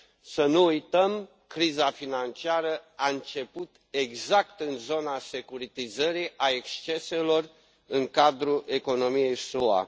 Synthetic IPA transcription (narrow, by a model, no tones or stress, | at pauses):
sənuːjt̪əm | kɾizafinant͡ʃiaɾəaɨnt͡ʃe̞put̪ | e̞ɡzakt̪ɨnzo̞nase̞kuɾit̪izəɾiʔae̞kst͡ʃe̞se̞lo̞r | ɨŋkad̪ɾuʔe̞ko̞no̞mije̞jsua̰